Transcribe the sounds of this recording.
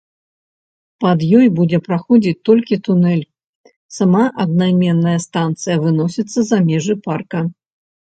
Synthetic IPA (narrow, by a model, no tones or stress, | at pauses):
pɐd̪jɔjbud͡zʲɛpɾaxɔd͡zʲit͡sʲt̪ɔlʲkʲit̪unɛlʲ | samaʔɐd̪̚najmʲɛnːɐjɐst̪ant̪sɨjɐvɨnɔsʲit̪sːɐzamʲɛʐɨparkɐ